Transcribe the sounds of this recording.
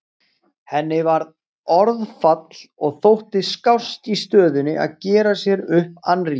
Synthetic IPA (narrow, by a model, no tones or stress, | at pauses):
hɛnːɪvaɾð | ɔɾðfat̪lɔɣθowht̪ɪskawst̪ist̪œːðʏnɪʔa̰ðcɛːɾasjɛɾʏhpa̰nri